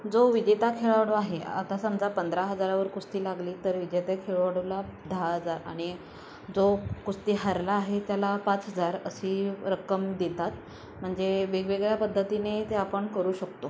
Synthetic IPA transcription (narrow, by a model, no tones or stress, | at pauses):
d͡zoʋid͡ʑet̪akʰeɭaʋɽoaɦea̰t̪asəmd͡zapənd̪ɾaɦəd͡zaɾaʋəɾkust̪iːlaɡliːt̪əɾʋid͡ʑet̪akʰeɭoʋɽolad̪ʱaɦəd͡zaɾa̰ɽ̃i | d͡zokust̪iːɦəɾlaːɦet̪jalapat͡sɦəd͡zaɾəsiːɾəkəmd̪et̪at̪ | m̤əɳd͡zeʋeɡʋeɡɭjapəd̪ʱːət̪inet̪eapəɳkəɾuːɕəkt̪o